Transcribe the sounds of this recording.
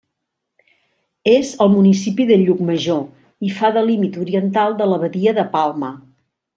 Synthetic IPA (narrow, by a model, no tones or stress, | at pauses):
ezəlˠmunisipiðəʎuk̚məʒo | ifaðəlimit̪uɾiənt̪alˠd̪ələβəðiəðəpalˠmə